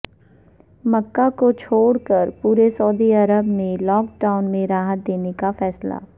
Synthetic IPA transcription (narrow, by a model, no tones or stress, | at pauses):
məkːakot͡ʃʰoːɽkəɾpuːɾesɐːd̪iɐɾəbnẽlɔːkʈaːʊnmẽɾaːɦət̪̚d̪eːnekafɛːsla̰ː